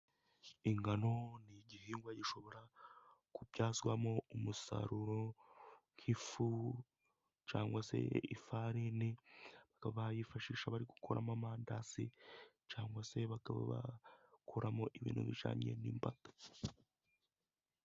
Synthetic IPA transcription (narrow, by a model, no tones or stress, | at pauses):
iŋɡano̞niɟihiːŋɡwaɟiʃo̞βo̞ɾakubɟaːzɡwamoumusa̰ɾuɾo̞ŋ̥kʰifu | t͡ʃaːŋɡwase̞̰ḭfaɾiniβakaβaβajifaʃiːʃaβaɾiɡukʰoɾʔa̰mamaːndasḭ | t͡ʃaːŋɡwase̞βakaβa̰βa̰kʰoɾamoʔiβḭːnṵβḭʒa̰ːɲe̞̰niːmpatḁ